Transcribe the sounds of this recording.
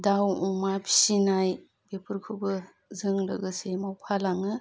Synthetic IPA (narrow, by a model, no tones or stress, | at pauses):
dawɔmapʰi̥sinaj | bepʰɯɾkʰubɯ | zɯŋlɯ̰ɡɯsemawpʰalaŋɯ